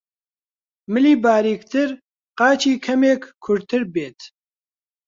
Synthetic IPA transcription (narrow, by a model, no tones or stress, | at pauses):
mɨliːbaːɾiːkt̪ʰɨɾ | qɑːt͡ʃʰiːkʰɐmeːkkʰʊɾt̪ʰɨɾbeːt̪